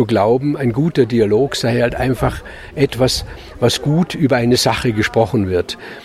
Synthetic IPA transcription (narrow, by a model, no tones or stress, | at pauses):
uɡlaʊbm̩aɪnɡuːtɐdialoːkz̥aɪhaltʔaɪnfaχ | ʔɛtv̥as | vasɡ̥uːtʔyːbɐaɪnəzaχəɡəʃpʁ̥ɔχn̩vɪɐt